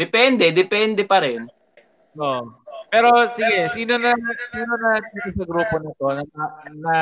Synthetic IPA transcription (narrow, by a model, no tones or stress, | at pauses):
ɛpɛnd̪ɛd̪ɛpɛnd̪ɛpɐɾɛn | ʔoʔpɛːɾo̞sɪɡɛsiːnonɐsiːnonɐt̪it̪osɐɡɾuːponɐt̪o̞nɐɐnɐ